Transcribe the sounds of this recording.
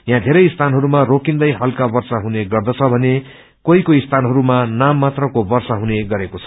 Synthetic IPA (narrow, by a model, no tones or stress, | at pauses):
jãd̪ʱeɾʌjist̪ʰanɦʌɾumarokind̪ʌjɦʌlkabʌrsaɦuneɡʌrd̪ʌt͡sʰʌbʱʌne | koikoist̪ʰanɦʌɾumanamːat̪rʌkobʌrsaɦuneɡʌɾekot͡sʰʌ̥